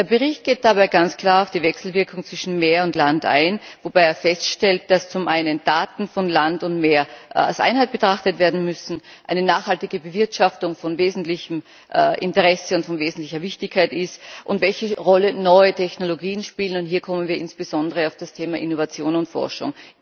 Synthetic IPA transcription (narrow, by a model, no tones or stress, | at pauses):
d̥eːɐbəʁɪçt̚ɡ̥eːt̚d̥abaɪɡant͡skʰl̥aːɐaʊfd̥iːvɛksl̩vɪɐkʰʊŋt͡sv̥ɪʃn̩meːɐʊntlanta̰ɪnvob̥aɪeːɐfɛstʃtɛlt̚d̥ast͡sʊmʔaɪnənd̥aːtn̩fɔnlantʊntmeːɐa̰lsʔa̰ɪnɦaɪt̚b̥ətʁ̥aχtətv̥eːɐdn̩mʏsn̩ | ʔaɪnənaːχhaltɪɡəbəvɪɐtʃaftʊŋfɔnveːzn̩tlɪçm̩ | ʔʔɪntəʁɛsəʊntfɔnveːzn̩tlɪçɐvɪçtɪçkʰːaɪtɪstʔʊntvɛlçəʁɔlənɔʏətʰɛçnoloɡiːənʃpiːlənʊntɦiːɐkʰɔmənviːɐʔɪnsb̥əzɔndəʁəaʊfd̥astʰeːmaʔɪnovat͡sjoːnʊntfɔ̰ɐʃʊ̰ŋ